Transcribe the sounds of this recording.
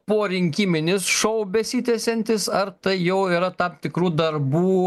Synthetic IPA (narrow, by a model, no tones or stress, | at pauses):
poːɾʲɪŋʲkʲiːmʲɪnʲɪsʃɐʊbʲɛsʲit̪ʲɛsʲɛnʲt̪ʲɪsɐɾt̪ɐɪjɛʊiːɾɐt̪ɑmt̪ʲɪkɾuːd̪ɐrbuː